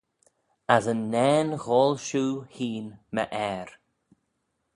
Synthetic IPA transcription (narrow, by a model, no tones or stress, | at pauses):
azənːɛːnɣɔːlʃuːhiːnmə̰ʔɛːɾ